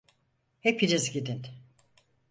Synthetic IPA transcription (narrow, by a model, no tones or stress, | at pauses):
hepʰinizɟid̪in